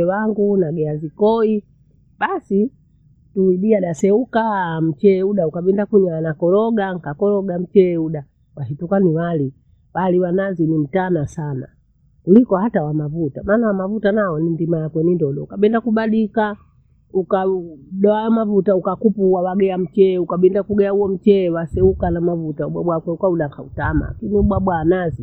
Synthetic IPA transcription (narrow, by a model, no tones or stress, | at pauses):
ɛwaŋɡunaɡɛazikɔi | ɓasi | tuiɗiaɗasɛukam̩t͡ʃɛuɗaukaɓɛndakuɲanakɔlɔɡaŋ̩kakɔlɔɡam̩t͡ʃɛuɗa | waɦitukaniwali | waliwananzinim̩tanasana̰ | kulikɔhatawamavutamaːnawamavutanaɔnindimajakwɛnindɔɗɔukaɓɛndakuɓaɗika | ukaɗɔamavutaukakupuwawaɡɛam̩t͡ʃɛukaɓɛndakuɡɛjauɔm̩t͡ʃɛwasɛukanamavutauɓwa̰ɓwakwɛukauɗaŋkʰautama̰kiniuɓwaɓwaːnazi